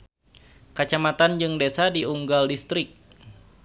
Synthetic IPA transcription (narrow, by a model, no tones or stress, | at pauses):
kat͡ʃamat̪and͡ʒɨŋdesadiuŋɡaldist̪ɾɪk̚